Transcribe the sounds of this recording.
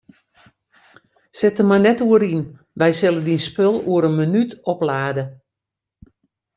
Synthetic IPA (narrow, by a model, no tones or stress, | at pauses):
sɪtəmajnɛtuəɾin | ʋɛjsɪlˠədinspølˠuəɾənmənytɔplaːdə